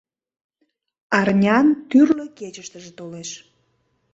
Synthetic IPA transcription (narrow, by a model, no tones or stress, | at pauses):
ɑrnʲɑnt̪yrləket͡ɕəʃt̪əʒet̪oleʃ